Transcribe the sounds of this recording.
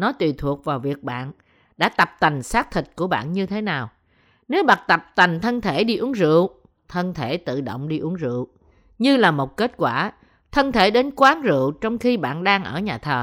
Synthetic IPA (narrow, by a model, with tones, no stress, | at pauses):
nɔ˨˦t̪wi˨˩t̪ʰu˨˩ək̚vaː˨˩wvi˨˩ək̚ɓa̰ː˧˨n | ɗa̰ː˧˥t̪ə˨˩p̚t̪a˨˩jŋ̟saː˦˥k̚t̪ʰï˨˩t̚ku˧˩əɓa̰ː˧˨nɲɨ˧t̪ʰe˨˦naː˨˩w | ne˨˦wɓa˨˩t̚t̪ə˨˩p̚t̪a˨˩jŋt̪ʰə˧nt̪ʰe˧˩ɗi˧ʔu˨˦əŋzɨ̰˧˨əw | t̪ʰə˧nt̪ʰe˧˩t̪ɨ̰˧˨ɗo̰˧˨wŋ͡mɗi˧ʔu˨˦əŋzɨ̰˧˨əw | ɲɨ˧laː˨˩mo˨˩t̚ke˦˥t̚kwaː˧˩ | t̪ʰə˧nt̪ʰe˧˩ɗe˨˦nkwaː˨˦ŋzɨ̰˧˨wt͡ɕɔ˧wŋ͡mxi˧ɓa̰ː˧˨nɗaː˧ŋʔəː˧˩ɲaː˨˩t̪ʰəː˨˩